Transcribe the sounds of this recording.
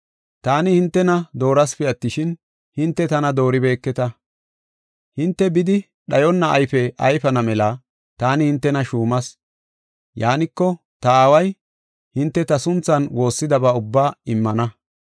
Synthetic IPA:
t̪aːnɪhɪnt̪ːɛnɐd̪o̞ːɾɐspɪɐt̪ːɪʃɪn | hɪnt̪ːɛt̪ɐnɐd̪o̞ːɾɪbe̞ːkːɛt̪ɐ | hɪnt̪ːɛbɪd̪ɪ | ɗɐjɔnːɐʔɐjfɛʔɐjfɐnɐmɛlɐ | t̪aːnɪhɪnt̪ːɛnɐʃuːmɐs | jaːnɪkːɔ | t̪ɐaːwɐj | hɪnt̪ːɛt̪ɐsʊnt͡sːɐnwo̞ːsːɪd̪ɐbɐʊbːaːɪmːɐnɐ

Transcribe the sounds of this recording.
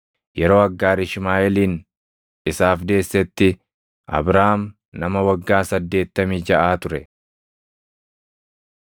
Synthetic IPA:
jɛɾo̞ːɐɡːaːɾɪʃmaːɛliːn | ɪsaːfd̪e̞ːsːɛt̪ːɪ | ʔɐ̰bɾaːm | nɐmɐwɐɡːaːsɐd̪ːe̞ːt̪ːɐmiːd͡ʒɐʔaːt̪ʊɾɛ

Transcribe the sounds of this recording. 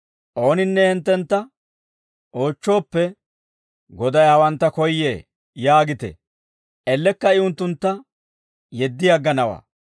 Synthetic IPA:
ʔo̞ːnɪnːɛhɛnt̪ːɛnt̪ːɐ | ʔo̞ːt͡ʃːo̞ːpːɛ | ɡɔd̪ɐjhɐwɐnt̪ːɐkɔjːḛː | jaːɡɪt̪ɛ̰ | ʔɛlːɛkːɐɪʊnt̪ːʊnt̪ːɐ | jɛd̪ːɪjɐɡːɐnɐwa̰ː

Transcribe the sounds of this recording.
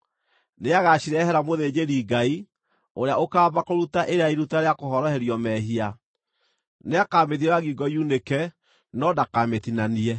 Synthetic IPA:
neaɣaɕiɾɛːhɛɾamoðed͡ʑeɾiːɡai | oɾeaokaːbakoɾutaʔeɾeaiɾutaɾeakohɔɾɔhɛɾjɔmɛɦia | neakaːmeðiwaɣiɡɔjunekɛ | nɔdakametinaniɛ

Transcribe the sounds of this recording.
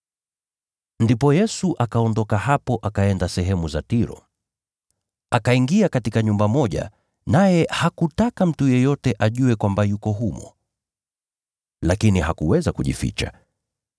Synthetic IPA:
ndipɔjɛsuʔakaɔndɔkaɦapɔʔakaɛndasɛɦɛmuzatiɾɔ̰ | akaiŋɡiakatikaɲumbamɔʄa̰ | najɛhakutakam̩tujɛjɔtɛʔaʄuɛkwambajukɔɦumɔ̰ | lakiniɦakuwɛzakuʄḭfḭt͡ʃa̰

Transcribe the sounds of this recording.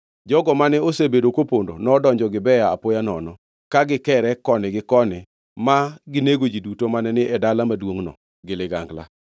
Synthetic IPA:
d͡ʒɔɡɔmanɛosebedokopondo̰nɔːdɔɲd͡ʒɔɡɪbɛjaapojanɔ̰nɔ | kaɡɪkɛɾɛkɔnɪɡɪkɔnɪ | maɡɪneɡod͡ʒidutomanɛnɪʔɛdalamadwoŋnɔ̰ | ɡɪlɪɡa̰ŋɡla̰

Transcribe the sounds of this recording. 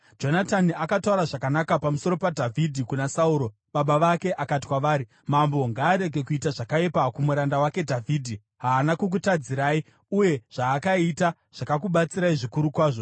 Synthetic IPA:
d͡ʒo̞nataniakatauɾaʐakanakapamuso̞ɾo̞padʱavʱidʱikunasauːɾo̞ | ɓaɓaʋake̞ʔakati̥kwaʋaːɾi | mambo̞ŋɡaːɾe̞ɡʱe̞kuitaʐakaepakumuɾandawake̞dʱavʱiːdʱi | ɦaːnakuk̬utad͡ziɾaːi | uje̞ʐ̥aːkaita | ʐ̥akakuɓat͡siɾaiʐikuɾukwaːʐo

